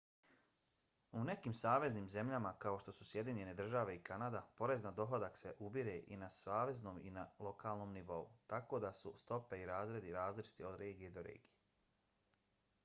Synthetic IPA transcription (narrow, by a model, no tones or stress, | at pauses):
une̞kiːmsaːʋe̞zniːmze̞mʎamakao̞ʃt̪o̞susje̞d̪iɲe̞ne̞d̪r̩ʒaʋe̞ikanad̪apo̞ɾe̞znad̪o̞ɦod̪akse̞ʔubiɾe̞ʔḭnasaːʋe̞zno̞ːmḭnalˠo̞kʰaːlˠno̞ːmniʋo̞ṵt̪ako̞d̪asṵst̪o̞pe̞iɾaːzɾe̞d̪iɾaːzlit͡ʃi̥t̪io̞d̪ɾe̞ːɡijed̪o̞ɾḛːɡije